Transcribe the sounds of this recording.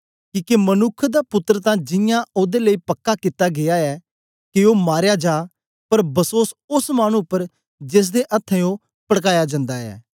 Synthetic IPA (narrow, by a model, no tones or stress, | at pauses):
kiːkemənʊkʰd̪aːpʊt̪ːɾət̪ãːd͡ʒɪ̃jãoːd̪eləiːpəkːakɪt̪ːaːɡejaɛː | kɪoːmaːɾjad͡ʒaː | pəɾbəsoːsʊsmaːɽ̃ũpəɾ | d͡ʒes̬d̪eʔɐt̪ʰːɛ̃õː | pəɽkaːjad͡ʒãːnd̪aːɛ̰ː